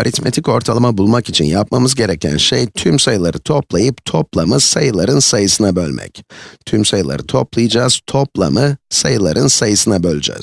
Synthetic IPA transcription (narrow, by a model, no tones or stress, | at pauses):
aɾit̪me̞t̪ʰico̞ɾt̪ʰalˠɯmabulˠmakit͡ʃʰinjapmamɯzɟe̞ɾecʰæ̰nʃejt̪ʰymsajɯlˠaɾɯt̪ʰo̞plˠajɯpt̪ʰo̞plˠamɯsajɯlˠaɾɯnsajɯsɯnabø̞lʲmʔɛ̰ct̪ʰymsajɯlˠa̰ɾɯt̪ʰo̞plˠɯjɯd͡ʒaːz̥t̪ʰo̞plˠa̰mɯsajɯlˠaɾʔɯnsajɯsɯnabølʲyd͡ʒɛ̰z̥